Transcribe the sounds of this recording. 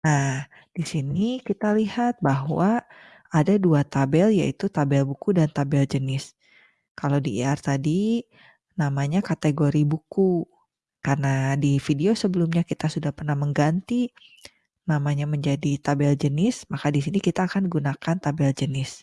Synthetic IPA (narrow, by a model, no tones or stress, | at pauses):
nah | d̥isinikit̪alihat̪̚baɦwa | adaduat̪abɛlja̰it̪ut̪abɛlbukudant̪abɛld͡ʒənɪs | kalawdieart̪adi | namaɲakat̪eɡoɾibuku | karnadifideosəbəlʊmɲakit̪asudahpərnahməŋɡant̪i | namaɲaməɲd͡ʒadit̪abɛld͡ʒənɪsmakadisinikit̪aːkanɡunakant̪abɛld͡ʒənɪs